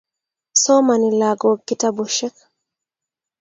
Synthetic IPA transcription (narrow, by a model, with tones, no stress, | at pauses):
sɔ˦mani˨laɡɔ˨kːi˦tabɔʃɛ˦k